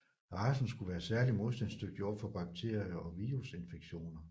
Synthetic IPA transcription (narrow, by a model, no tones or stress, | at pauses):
ʁɑ̈ːsn̩sɡ̥uʋæːɐsæɐlimo̝ðˠsd̥ænsd̥øɡ̥̚d̥iɒ̰fɒ̽b̥ɑ̈ɡ̥̚t͡sʰe̝̰ɐ̰iɐʔɒ̽ʋiːʁuse̝nfeɡ̥ɕo̝̰ːnɐ